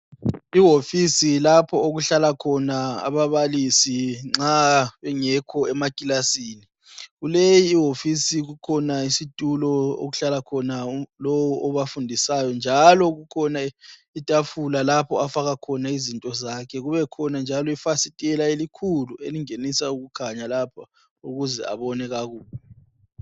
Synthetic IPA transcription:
iɦofisilapʰɔoɣuɬalakʰɔnaa̰βaβalisiŋ͡ǁaβɛŋɛkʰɔɛmakʼilasiːni | ɣulejiːɦofisiɣukʰɔnaisitʼulɔo̰ɣuɬalakʰɔnalowuʔɔβafundʱisajɔnd͡ʒʱalɔɣukʰɔna | itʼafulalapʰɔafaɣakʰɔnaizintʼɔzakʰɛɣuβɛkʰɔnand͡ʒʱalɔifasitʼɛlaelikʰulueliŋenisauɣukʰaɲalapʰa | uɣuzɛ̰a̰βɔnɛɣaɣuːβɔ

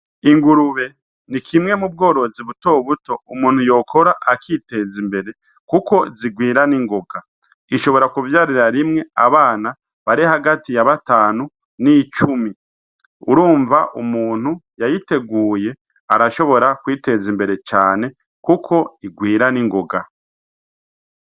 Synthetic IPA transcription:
iŋɡuɾuβe̞ | nikʰimŋe̞mub̚ɡo̞ːɾo̞ziβuto̞ːβuto̞umuːn̥hujo̞ːkʰo̞ɾaʔakiːte̞zimbe̞ɾe̞ | kuko̞ziɡwiːɾaniŋɡo̞ɡa | iʃo̞βo̞ɾakuvjaːɾiɾaɾimŋe̞a̰βaːna | βaɾihaɡatijaβataːnu | nit͡ʃumi | uɾuːɱvaʔṵmuːn̥hujajite̞ɡuːje̞ | a̰ɾaʃo̞βo̞ɾakwiːte̞zimbe̞ɾe̞t͡ʃaːne̞ | kukʰo̞iɡwiːɾaniŋɡo̞ɡa

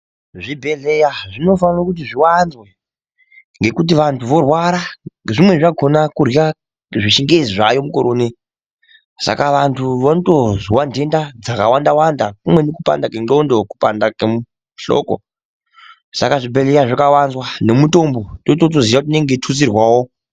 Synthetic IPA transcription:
ʐibʱe̞ɮejaʐino̞fanrakut̬iʐiwanzwe | ŋɡe̞kut̬iʋantʰuʋo̞rwaɾaʐimwe̞ʐaɡʰʱonakuria | ʐiʃiŋɡeziʐa̰jomukoɾoːne | sa̰kaʋantʰuʋontozwandʱe̞ndad͡zakawandawandakumwe̞nikupa̰ndakeŋŋ͡ǃo̞ndokupa̰ndakemu | ɬo̰ko̰ | sa̰kaʐibʱe̞le̞jaʐakawanzwane̞muto̞mbo̞totot̬ozijakut̬ne̞ŋɡetʰusirwawo

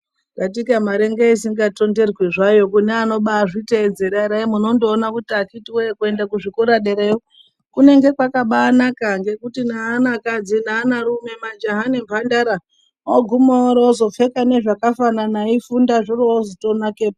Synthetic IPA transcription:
ŋɡatikamaɾeŋɡeis̬iŋɡato̞nde̞rwiʐajo̞kuneano̞ɓaʐite̞ːd͡ze̞ɾaɾaimuno̞ndoːnakutiakitiwekuendakuʐikuɾaɗeɾeo | kune̞ŋɡe̞kwakaɓaːnakaŋɡe̞kutinaːnakad͡zinaːnaɾume̞mad͡ʒaɦanempandaɾa | oɡʱumooɾeozo̞fe̞kane̞ʐakafananaifundaʐiroozotonakeːpa

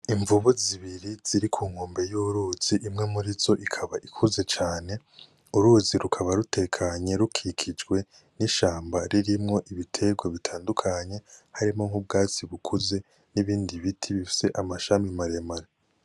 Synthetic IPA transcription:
iɱvuβuziβiɾiz̥iɾikʰuːŋ̥hoːmbe̞juɾuːz̥iʔimŋe̞muɾizo̞ʔikʰaβaʔikʰuze̞t͡ʃaːne̞ | uɾuziɾukʰaβaɾute̞kʰaɲe̞ɾukʰikʰid͡ʒɡwe̞ | niʃaːmbaɾiɾimŋo̞ʔiβitʰe̞ɡwaβitʰaːndukʰaɲe̞haɾimo̞ŋhub̚ɡaːt͡siβukʰuze̞ | niβiːndiβitʰiβifi̥se̞ʔamaʃamimaɾe̞maɾe

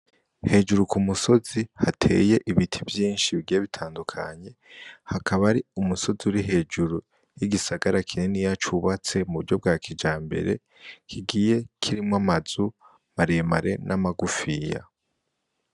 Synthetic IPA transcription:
he̞ːd͡ʒuɾukumuso̞zihatʰe̞̰je̞ʔiβitʰivjiːnʃiβiɡijeβitʰaːndukʰa̰ɲe̞hakʰaβaɾiumuso̞ziuɾiɦe̞ːd͡ʒuɾu | jiɡisaɡaɾakʰinenijat͡ʃuβat͡se̞muβuɾɟo̞b̚ɡaːkʰid͡ʒaːmbe̞̰ɾe̞̰ | kʰiɡiːje̞kʰiɾimŋwamazu | maɾema̰ɾe̞̰nʔamaɡufija̰

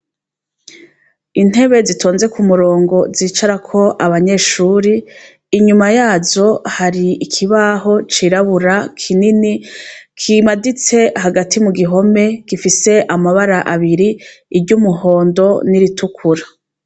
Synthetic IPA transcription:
in̥he̞βe̞zitʰo̞ːnze̞kumuɾo̞ːŋɡo̞ziːt͡ʃaɾakʰo̞ʔaβaɲe̞ːʃuːɾiː | ɲumajaːzo̞haɾiikʰiβaɦo̞t͡ʃiɾaβuɾakʰininikʰimadit͡se̞haɡatʰimuɡiɦo̞me̞ɡ̥ifise̞ʔamaβaɾaʔaβiɾiːbɟuːmuɦo̞ːndo̞niɾitʰukʰuɾa

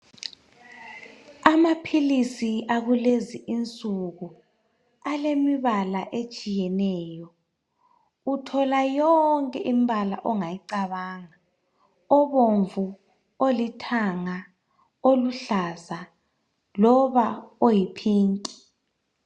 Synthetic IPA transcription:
amapʰilisiaɣuleziʔint͡sʼuɣu | alemiβalaʔet͡ʃʼijɛnɛːjɔ | utʰɔlajɔŋkʼɛʔim̩bʱala̰ʔɔŋajiǀaβaːŋa | ɔβoɱvu | olitʰaŋa | oluɬaza | lɔβaojipʰiːŋkʼi̥

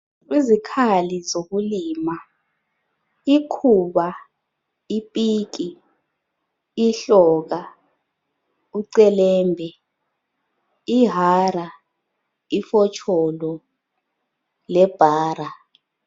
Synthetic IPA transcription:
izikʰalizok̬uliːma | ikʰuɓa | ipʼiːk̬i | ɬɔːk̬a | uǀɛlɛːmbʱɛ | iɦara | ifɔt͡ʃʰɔlɔ | lɛb̥ʱaːɾa

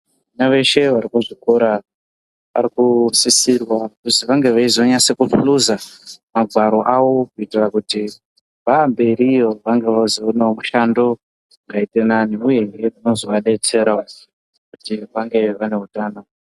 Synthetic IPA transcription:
anaʋe̞ʃe̞ʋaɾikuʐikoɾa | ʋa̰ɾikusisirwakusiʋaŋɡe̞ʋaizo̞ɲase̞kupuluzamaɡʱwaɾo̞ʔawo̞kuitirakuti | ʋambe̞ɾijo̞ʋaŋɡe̞ʋazoonaomuʃando̞ | ŋɡaite̞naniuje̞ɦieuno̞zo̞ʋaɗe̞t͡se̞ɾwa | kutiʋaŋɡe̞ʋane̞ɦutaːno

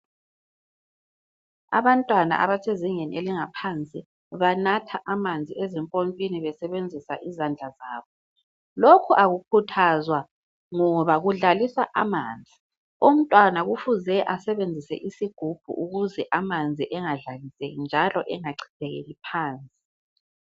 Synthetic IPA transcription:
a̰βantʼwana̰ʔa̰βasʰeziŋɛnḭeliŋapʰant͡sʼi | βanatʰaʔamand͡zʱiɛzɛmpʼompʼiniβɛsɛβend͡zʱisa̰ʔizand͡ɮʱazaːβɔ | lokʰuʔaɣukʰutʰazwa | ŋɔβaɣuɮalisaʔamaːnd͡zʱi | um̩tʼwanaɣufuzɛʔasɛβend͡zʱisɛ̰ʔisiɡ̥ʱub̥ʱṵʔuɣuzɛʔamand͡zʱiʔɛŋaɮalisejind͡ʒʱalɔ̰ʔɛŋaǀʰi̥tʰɛɣḛlipʰaːnt͡sʼi̥

